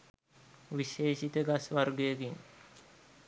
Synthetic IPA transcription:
ʋiʃeːʃit̪əɡasʋaɾɡəjəɡiŋ

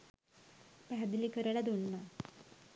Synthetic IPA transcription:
pæɦad̪ilikəɾəɭad̪unːa

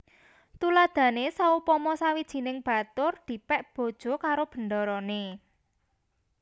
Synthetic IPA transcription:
t̪ulad̪̥ä̤nesaupɔmɔsawid̥ʒ̥i̤nɪŋb̥a̤t̪ʊrd̪̥i̤pɛʔb̥o̤d̥ʒ̥o̤kaɾob̥ə̤nd̪ɔɾɔne

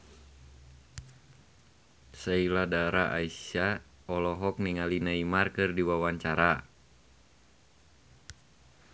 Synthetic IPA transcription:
sailadaɾaʔaia | ɔlɔɦɔk̚niŋalinaimarkɨrdiwawaɲt͡ʃaɾa

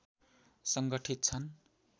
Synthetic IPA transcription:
sʌŋɡʌʈʰit̪̚t͡sʰʌn

